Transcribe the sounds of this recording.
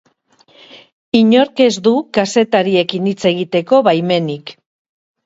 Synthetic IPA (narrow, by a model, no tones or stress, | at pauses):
iɲo̞ɾke̞zd̪ukase̞t̪aɾie̞kinit͡se̞ɣ̞it̪e̞ko̞βajme̞nik